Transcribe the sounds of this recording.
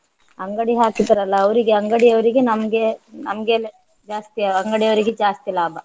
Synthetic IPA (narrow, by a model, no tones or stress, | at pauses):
ɐŋɡɐɽiɦaːkid̪ɐɾɐlːɐːʋɐɾiɡeɐŋɡɐɽiɐʋɐɾiɡenɐmɐɡenɐ̰mɐɡel | d͡ʒaːst̪iɐɐŋɡɐɽijɐʋɐɾiɡed͡ʒaːst̪ilaːbɐ